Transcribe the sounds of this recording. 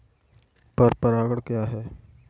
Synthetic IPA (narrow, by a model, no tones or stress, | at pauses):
pɐɾpɐɾaːɡəɽkjaːɦɛː